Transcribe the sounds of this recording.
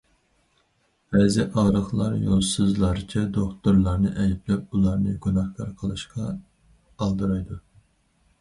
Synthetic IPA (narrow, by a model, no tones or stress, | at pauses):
bɛzɪʔɑʁɾəχlˠɑɾjo̰lˠsɨzlˠɑɾt͡ʃʰɛd̪okt̪uɾlˠɑɾnɨʔɛjplɛp̚ulˠɑɾnɨɡunɑhkʰɑɾqʰəlˠɨʃqʰɑ | ɑlˠd̪ɨɾɑjd̪u